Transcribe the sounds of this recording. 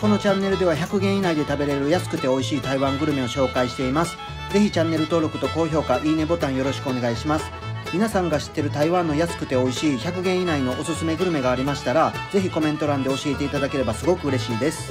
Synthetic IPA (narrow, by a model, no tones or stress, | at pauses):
ko̞no̞t͡ɕãnːe̞ɾɯd̪e̞βaçʲakɯ̟ɡẽ̞ɰ̃inaid̪e̞t̪abe̞ɾeɾɯ̟jasɨ̥kɯ̟t̪e̞o̞iɕiːt̪aiβãŋɡɯ̟ɾɯ̟me̞o̞ɕo̞ːkaiɕi̥t̪e̞imasɨ̥ | ze̞çit͡ɕãnːe̞ɾɯ̟t̪o̞ːɾo̞kɯ̟t̪o̞ko̞ːço̞ːkaʔiːne̞bo̞t̪ãɰ̃jo̞ɾo̞ɕi̥kɯone̞ɡaiɕimasɨ̥mʲinasãŋɡaɕi̥t̪ːe̞ɾɯ̟t̪aiβãnːo̞jasɨ̥kɯ̟t̪e̞o̞iɕiːçakɯ̟ɡẽɰ̃inaino̞ʔosɨsɨme̞ɡɯ̟ɾɯ̟me̞ɡaːɾʲimaɕi̥t̪aɾaze̞çiko̞mẽ̞nt̪o̞ɾãnd̪e̞o̞ɕie̞t̪e̞it̪ad̪ake̞ɾe̞basɨɡo̞kɯ̟ːɾe̞ɕiːd̪e̞sɨ̥